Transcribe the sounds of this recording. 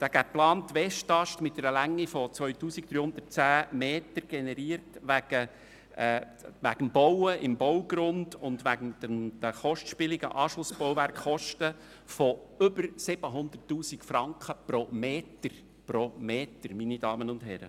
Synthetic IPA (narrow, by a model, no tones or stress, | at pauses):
d̪̥æːɡ̥æplɑːntːʋɛʃtɑʃtmɪt̚dɛɾəlæŋːifɔt͡sʋœʏtuːsik̚d̥ɾyːhʊnd̪ət̚t͡sæːmeːtəɾɡ̥ɛnɛɾiːəɾtʋæɡ̥ə | ʋæɡ̥əmbɔwəʔɪmbɔwɡɾʊndʊndʋæɡəmd̥əmd̥əχɔʃtʃpɪlɪɡə̰ʔɑːʃlʊsb̥ɔwʋæɾkχɔʃtə | fɔʏbəɾsɪb̥əɦʊnd̪ərtːuːsikfɾɑŋkχəpɾɔmeːtəɾ | pɾomeːtəɾminidɑːmənʊndɦɛɾə̰